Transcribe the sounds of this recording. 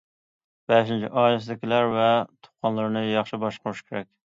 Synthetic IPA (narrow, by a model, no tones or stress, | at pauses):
b̥ɛʃint͡ʃʰḭʔɑːjlɪs̬ɪd̪ɪkʲilæɾvɛt̪ʰʊ̥t̚qʰɑnlˠəɾnɨjɑχʃɪbɑʃqɾuʃkʰʲeɾɛkʲ